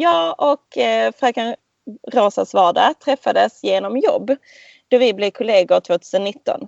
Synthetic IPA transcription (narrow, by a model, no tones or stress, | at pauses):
jɑːʔɔkfɾakan | ɾoːsasvɑːɖat̪ʰɾɛfːad̪əsjeːnɔmjɔ̰bː | d̪̥ɔvɪblɪkʰʊleːɡʊt̪ʰv̥oːt̪ʰʉːsənːɪt̪ːɔ̰n